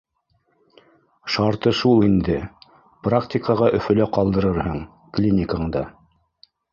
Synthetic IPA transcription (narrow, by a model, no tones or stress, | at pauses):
ʃɑɾt̪ɤʃulˠind̪ɘ | praktʲikəʁɑʔɵ̆fɵ̆læqɑlˠd̪ɤ̆ɾɤɾhɤɴ | klʲinʲɪkaɴd̪ɑ